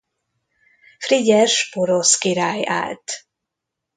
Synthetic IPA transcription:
friɟɛʃpoɾoskiɾaːja̰ːlt̪

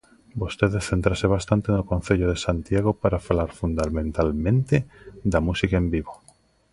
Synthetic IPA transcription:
bost̪eðeθent̪ɾaseβ̞ast̪ant̪enokonθeʎoð̞esant̪jaɣ̞opaɾafalaɾfund̪amẽnt̪almẽnt̪ed̪amusikaembiβo

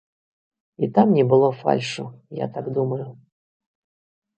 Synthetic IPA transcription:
it̪amnʲɛbɨlˠɔfa̰lʲʂʊja̰t̪aɡd̪uməjʊ

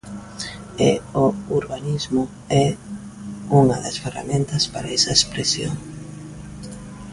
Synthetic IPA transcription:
eouɾβanizmʊ | ɛ | uŋɐðɐsfera̰mẽnt̪ɐspaɾaɛsɐespɾesjo̰ŋ

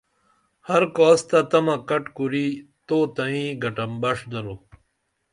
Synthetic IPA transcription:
hɐɾkɔːst̪ɐt̪ɐmɐkɐʈkuɾit̪oːt̪ɐĩɡɐʈɐmbɐʂd̪ɐɾo

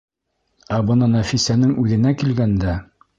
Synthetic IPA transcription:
æbɤ̆nɤnæfisænɘŋʉðɘ̆nækilɡænd̪æ

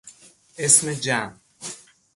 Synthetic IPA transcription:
esmed͡ʒam

